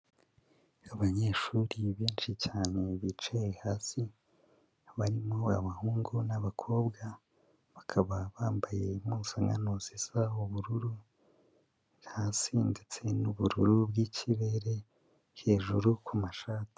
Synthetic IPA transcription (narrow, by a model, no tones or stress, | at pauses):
aβaɲe̞ʃuːɾiβeːnʃit͡ʃaːne̞βit͡ʃejehaːsi | βaɾimo̞a̰βahuːŋɡunaβakʰo̞ːbɡa | βakʰaβaβaːmbaje̞musaŋɡa̰nozizauβuɾuɾu | hasiːndit͡se̞nuβuɾuɾubɡiciβe̞ɾe̞ | he̞ːʒuɾukumaʃaːti̥